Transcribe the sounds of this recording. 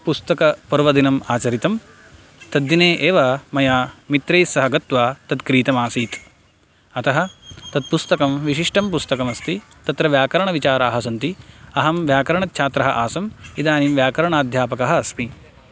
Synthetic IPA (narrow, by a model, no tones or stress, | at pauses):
pust̪ɐkɐpɐɾʋɐd̪inɐmaːt͡ʃɐɾit̪ɐm | t̪ɐd̪ːineːʔeːʋɐmɐjaːmit̪ɾeːsɐɦɐɡɐt̪ʋaːt̪ɐd̪kɾiːt̪ɐmaːsiːt̪ | ɐt̪ɐɦɐ̆t̪ɐd̪̚pust̪ɐkɐmʋiʃiʂʈɐmpust̪ɐkɐmɐst̪i | t̪ɐt̪ɾɐʋjaːkɐɾɐɳɐʋit͡ʃaːɾaːɦɐs̬ɐnt̪iɐɦɐmʋjaːkɐɾɐɳɐt̪t͡ʃʰaːt̪ɾɐɦɐʔaːsɐmid̪aːnimʋjaːkɐɾɐɳaːd̪ʱjaːpɐkɐɦɐɐsmi